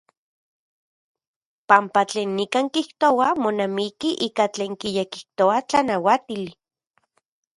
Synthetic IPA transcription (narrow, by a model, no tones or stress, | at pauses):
pampat͡ɬeːnːikaŋkiht̪owamonamikiʔiːkat͡ɬeːŋkijekiht̪oat͡ɬanawat̪ili